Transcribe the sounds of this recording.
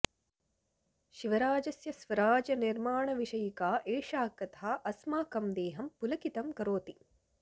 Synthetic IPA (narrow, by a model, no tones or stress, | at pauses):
ʃiʋɐɾaːd͡ʒɐsjɐsʋɐɾaːd͡ʒɐniɾmaːɳɐʋiʃɐjikaːʔeːʃaːkɐt̪ʰaːʔɐsmaːkɐmd̪eːɦɐmpulɐkit̪ɐmkɐɾoːt̪i